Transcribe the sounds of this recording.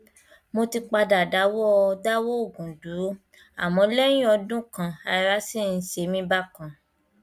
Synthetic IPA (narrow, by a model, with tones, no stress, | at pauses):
mo˧ti˧k͡pa˧da˨da˨˦wɔ˦˧da˦wo˦o˦˨ɡũ˨du˨˦ | a̰˨mɔ̃˨˧˦lɛ˦jĩ˦ɔ˧dũ˦kã˨a˧ɾa˦si˦˨n̩˦ʃe˧mĩ˦ba˦˨kã˨